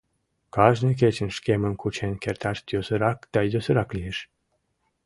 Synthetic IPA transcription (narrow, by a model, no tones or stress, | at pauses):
kɑʒnek̬et͡ɕənʃkemənkut͡ɕenkert̪ɑʃt̪josəɾɑkd̪̥ɑjosəɾɑklieʃ